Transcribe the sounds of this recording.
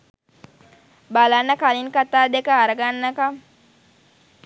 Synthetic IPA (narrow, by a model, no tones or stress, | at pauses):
balanːɐkaliŋkat̪aːd̪ekəːɾɐɡanːɐkɐm